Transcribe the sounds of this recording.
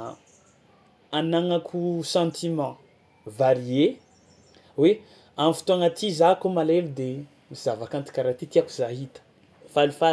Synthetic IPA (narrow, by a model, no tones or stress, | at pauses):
anaŋakʰusɑ̃nt̪ʰimɑ̃ | vaɾie | we | amfi̥t̪uaŋat̪izakomalelud̪e | mizavakant̪i̥kʲaɾat̪it̪iaku̥zaɦit̪ə̥ | falifa